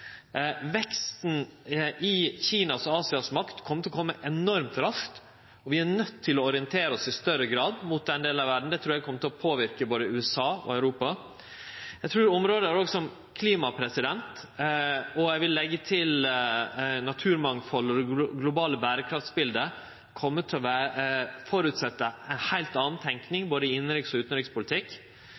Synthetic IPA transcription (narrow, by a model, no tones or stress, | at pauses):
ʋɛkst̪n̩ʔɪçiːnɑsɔɑːsɪɑsmɑkt̪kʰɔmət̪ɪɔkʰɔmːəʔɛnɔɾmt̪ɾɑʂkt̪ | ɔʋɪæɾnœt̪ʰːɪlɔɔɾɪənt̪ʰeːɾəɔsɪst̪œɾəɡɾɑːd̪mʊt̪̚d̪ɛnd̪eːlnɑʋæɖɳ̩d̪ɛt̪ʰɾuːɾæɡkʰɔmːət̪ʰɪlɔpʰoːʋɪɾkəboːd̪əʉːɛsɑːɔ̰œʉɾuːpɑ | jæt̪ʰɾuːɾɔmɾoːd̪əæɾoːɡsɔm | kʰliːmɑpʰɾɛsɪd̪ɛnt̪ | ɔjæɡʋɪlːɛɡːət̪ʰɪl | nɑt̪ʰʉːɾmɑŋfɔlːɔd̪ɛɡlʊbɑːləbæːɾəkʰɾɑft̪sbɪld̪ə | kʰɔmːət̪ʰːɪlɔʋæːəfɔɾʉt̪sɛt̪ːəæɪnhæɪlt̪ɑːn̩t̪ʰɛŋknɪŋboːd̪əɪɪnːəɾɪksɔʉːt̪n̩ɾɪkspʊlɪt̪ʰɪkː